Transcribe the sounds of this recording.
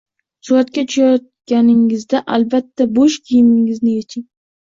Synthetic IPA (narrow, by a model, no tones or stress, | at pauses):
sʊat̪kʲat͡ʃʰʊjɒt̪̚ɡʲanɪŋɪzd̪aʔalbat̪ʰːaboʃkʲʰijɪmɪŋɪznɪjet͡ʃʰɪŋ